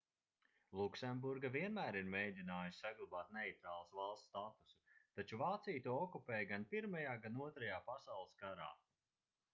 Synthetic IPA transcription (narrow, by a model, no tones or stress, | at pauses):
lˠuksɛmbuɾɡaviɛnmæːɾiɾmeːjd̪ʲinaːjusʲsaɡlˠabaːt̪̚neit̪ɾaːlˠasvalˠst̪t̪at̪u̥su̥t̪at͡ʃuvaːt̪sijt̪uɔɔkupeːjɡanpiɾmajaːɡanuɔt̪ɾajaːpasawlˠɨskaɾa̰ː